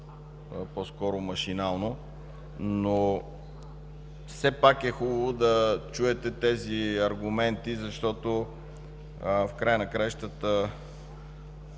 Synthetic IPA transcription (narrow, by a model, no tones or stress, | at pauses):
poskɔɾomɐʃinalˠno | no | fsɛpakɛxubəvod̪ɐt͡ʃuɛt̪ɛt̪ɛziɐɾɡʊmɛnt̪izɐʃt̪ɔt̪o | fkɾajənɐkɾajʃt̪ət̪ə